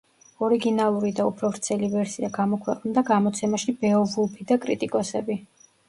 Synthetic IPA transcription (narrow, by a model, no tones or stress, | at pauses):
ɔɾiɡinalˠuɾid̪aupʰɾɔvɾt̪sʰɛlivɛɾsiaɡamɔkʰwɛqʼnd̪aɡamɔt̪sʰɛmaʃibɛɔvulˠpʰid̪akʼɾit̪ʼikʼɔsɛbi